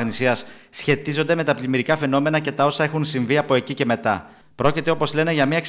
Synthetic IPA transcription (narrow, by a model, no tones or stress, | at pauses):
ɣnisiɐssçe̞t̪izo̞nd̪e̞me̞t̪ɐplimiɾikɐfe̞no̞me̞nɐce̞t̪ɐo̞sɐe̞xunsiɱviɐpo̞e̞cice̞me̞t̪ɐ̰ | pɾo̞cit̪e̞o̞po̞zle̞ne̞ʝɐmɲɐeks